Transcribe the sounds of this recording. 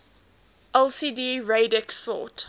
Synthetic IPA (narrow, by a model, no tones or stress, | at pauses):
ʔɛlˠsiːdiːɹeɪdɛksɔ̰ˑt